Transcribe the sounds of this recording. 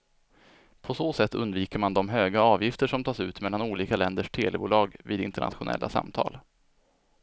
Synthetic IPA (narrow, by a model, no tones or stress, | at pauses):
pʰɔsoːsɛt̪ʰːɵnd̪viːkəɾmand̪ɔmɦøːɡaɑːvjɪft̪əʂɔmt̪ʰɑːsʉ̟ːt̪mɛlːanuːliːkalɛnd̪əʂʈʰeːlɛbuːlɑːɡviːd̪ɪ̰nt̪əɳa̰t̪ɧʊnʔɛ̰lːa̰sa̰mt̪ʰɑ̰ːl